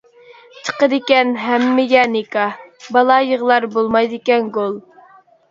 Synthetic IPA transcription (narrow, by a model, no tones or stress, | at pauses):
t͡ʃʰə̥qəd̪ɪkʲɛnɦɛmːɪɡʲɛnɪkɑbɑlˠɑjəʁlˠɑɾbolˠmɑjd̪ɪkʲɛnɡolˠ